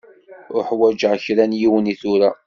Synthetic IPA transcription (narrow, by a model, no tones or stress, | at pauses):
ʊɾħwæd͡ʒʕçɾænjiwəniθʊɾa